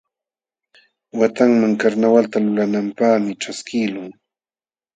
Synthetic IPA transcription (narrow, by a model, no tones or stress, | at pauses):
wat̪aŋmaŋkaɾnawalt̪alʊlanampaχmɪʈ͡ʂaskɪlʊŋ